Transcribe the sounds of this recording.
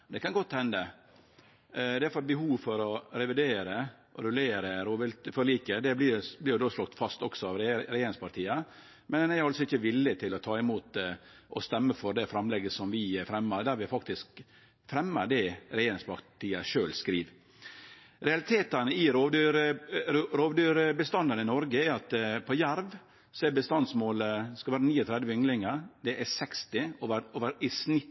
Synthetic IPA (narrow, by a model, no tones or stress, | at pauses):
d̪ɛkɑnɡɔt̪ːhɛnd̪ə | d̪ɛæfɑt̪̚bəɦuːʋfɔɾɔɾɛʋɪd̪eːɾəʔɔɾʉleːɾəɾoːʋɛlt̪fɔɾliːkəd̪ɛblɪblɪːɾjʊd̪oːslɔk̚t̪fɑst̪ɔksɔɑʋɾɾɛjeːɾɪŋspɑɾʈ̪ʰiːə | mɛnnɛhɾɑlsɔɪçːəʋɪlːət̪ʰɪlɔt̪ʰɑːɪmuːt̪ʔɔst̪ɛmːəfɔɾd̪ɛfɾɑmlɛɡəsɔmʋɪæfɾɛmːəɾd̪æɾʋɪfɑk̚t̪ɪsk | fɾɛmːəd̪ɛɾɛjeːɾɪŋspɑt̪ʰiːəʂøːlskɾiːʋ | ɾɛɑlɪt̪ʰeːt̪ənəɪɾoːdɾ | ɾoːʋd̪yːɾəbəst̪ɑnd̪ɑnɪnɔɾɡəɛɾɑt̪pʰɔjæɾʋ | sɔɛbəst̪ɑnd̪smoːləskɑʋæːɾəniːɔt̪ʰɾɛd̪ʋəʏŋlɪŋəd̪ɛʔæsɛkst̪ɪoʋəɾoːʋəɾɪsnɪt̪ː